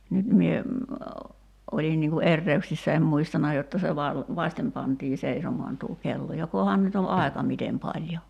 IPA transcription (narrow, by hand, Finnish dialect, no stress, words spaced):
nyt mie ʔolin niŋ ku erːeyksisːæ em muistɑnɑ jotːɑ se ʋɑl ʋɑsʲtem pɑntiː seisomoɑn tuː kelːo jokohɑn nyt o ɑekɑ mitem pɑlʲjo